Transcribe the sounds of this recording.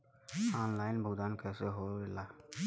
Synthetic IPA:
aːnlaːɪnbʱʊɡd̪aːnkɛseɦoːelaː

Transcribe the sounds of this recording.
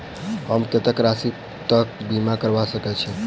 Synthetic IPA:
ɦəmket̪əkɾasi | t̪əkbimakəɾbasəkɛt͡ʃʰi

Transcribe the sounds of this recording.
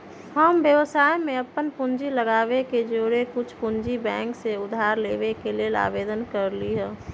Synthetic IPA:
həmbjəʋsaːjmẽəpːənpʊnd͡ʒiləɡaːbeked͡ʒoɾekʊt͡ʃʰpʊnd͡ʒibɛ̃ːŋkseʊd̪ʱaːɾleːʋekeleːla̰ːbeːd̪ənkəɾliɦɛ̃ː

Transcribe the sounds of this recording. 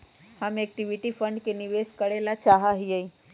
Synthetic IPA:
həmek̚ʈiʋiʈipʰəɳɖkeniʋeskəɾelat͡ʃaɦəɦiəi

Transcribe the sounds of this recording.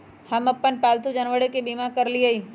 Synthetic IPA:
həmɐpːənpaːlt̪ud͡ʒənʋəɽekebimãkəɾliəiː

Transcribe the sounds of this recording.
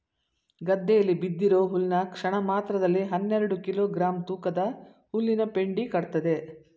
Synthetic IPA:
ɡɐd̪ːɛjɐlːibid̪ːiɾo̞ːɦulnɐkʂɐɳɐmaːt̪ɾɐd̪ɐlːiɦɐnːɛɾɐɽukiloːɡɾaːmt̪uːkɐd̪ɐ | hulːinɐpe̞ɳɖikɐɽt̪ɐd̪e̞

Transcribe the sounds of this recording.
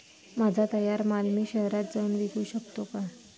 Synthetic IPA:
mad͡zʱat̪əjaɾmalmiːɕəɦɾat̪̚d͡zəuːnʋiɡuːɕəkt̪oka

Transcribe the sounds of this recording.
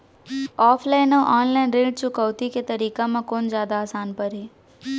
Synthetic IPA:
ɔːpʰlaɪnoʔɔːnlaɪnɾeːɖ̚t͡ʃʊkəwt̪iket̪əɾiːkãmãkoːnd͡ʒjaːd̪aːsaːnpəɾɦeː

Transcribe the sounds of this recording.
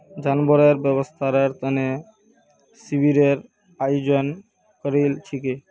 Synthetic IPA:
d͡ʑanboɾeɾbɛβost̪ʰaɾeɾt̪əne | sibʱiɾeɾ | ajod͡ʑon | kəɾilt͡ʃʰike

